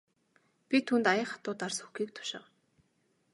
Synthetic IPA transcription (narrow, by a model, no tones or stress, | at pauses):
pʲit̪ʰuːnt̪ajə̆χḁt̪ʊːt̪arsxu̥xiːkt̪ʰʊ̥ʃɪ̰̆w